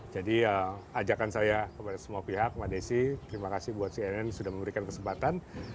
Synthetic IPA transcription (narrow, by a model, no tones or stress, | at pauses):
d͡ʒadiəad͡ʒakansajakəpadasəmuapiɦak̚madesit̪əɾimakasɪhbuat̪siɛnɛnsudahməmbəɾikankəsəmpat̪an